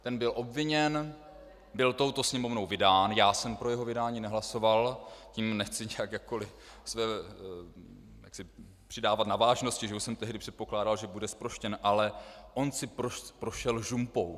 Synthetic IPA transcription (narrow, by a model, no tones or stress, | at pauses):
t̪ɛnbɪlʔo̞bvɪɲɛn | bɪlt̪o̞wt̪o̞sɲɛmo̞vno̞wvɪdaːnjaːsɛmpɾo̞jɛɦo̞vɪdaːɲiːnɛɦlaso̞valcimnɛxt͡sɪɲɛjakjakːolɪ | svɛː | ja̰ksɪ | pr̥ɪdaːvat̪navaːʒnoscɪʒɛusɛmt̪ɛɦdɪpr̥ɛt̪̚po̞klaːdalʒɛbudɛspɾo̞ʃcɛnʔalɛʔo̞nsɪpɾopɾo̞ʃɛlʒumpow